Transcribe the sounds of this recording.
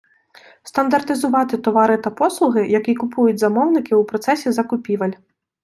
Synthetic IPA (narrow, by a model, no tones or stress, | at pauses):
st̪ɐnd̪ɐrt̪ɨzuvat̪ɨt̪ɔvaɾɨt̪ɐpɔslˠuɣɨjakʲikupʰujud͡zʲzamɔwnʲikʲiwpɾɔt̪sɛsʲɛzɐkupʲivɐlʲ